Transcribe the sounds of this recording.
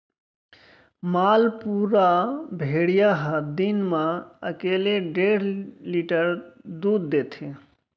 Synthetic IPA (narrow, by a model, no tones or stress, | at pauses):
malpuɾabʱeɽijaɦəd̪inmeəkeleɖeɽ̤liʈəɾd̪ud̪ːet̪ʰe